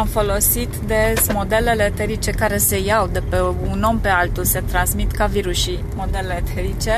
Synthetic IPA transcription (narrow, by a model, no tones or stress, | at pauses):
amfo̞lo̞sit̪d̪e̞mo̞d̪e̞le̞le̞t̪eɾit͡ʃe̞kaɾe̞se̞jawd̪e̞peuno̞mpe̞alt̪ulse̞t̪ɾansmit̪kaviɾuʃi | mo̞d̪e̞lelet̪ʰeɾit͡ʃe̞